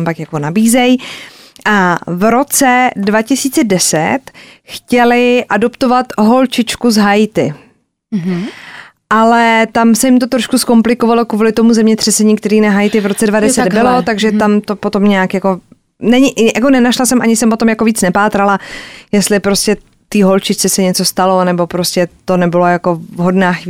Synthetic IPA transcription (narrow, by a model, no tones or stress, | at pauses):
mpakjakonabiːzɛjʔavɾo̞t͡sɛdvacɪsiːt͡sɛdɛsɛ̰t̪xcɛlɪʔado̞pt̪o̞vat̪ɦo̞lt͡ʃɪt͡ʃkuzɦajt̪ɪ | ʔalɛt̪amsɛjɪmt̪o̞t̪ɾoʃkusko̞mplɪkovalokvuːlɪt̪o̞muzɛmɲɛt̪r̥ɛsɛɲiːk̚t̪ɛɾiːnaɦajt̪ɪvɾot͡sɛdvadɛsɛd̪bɪlot̪aɡʒɛt̪amt̪o̞pot̪omɲaakjako̞ | nɛɲɪjʔako̞nɛnaʃlasɛmʔaɲɪsɛmpo̞t̪o̞mjakoviːt͡snɛpaːt̪ɾalajɛst̪lɪpɾo̞scɛ | t̪iːɦo̞lt͡ʃɪt͡ʃt͡sɛsɛɲɛt͡so̞st̪alo̞nɛbo̞pɾo̞scɛt̪o̞nɛbɪlo̞jako̞vɦo̞dnaːx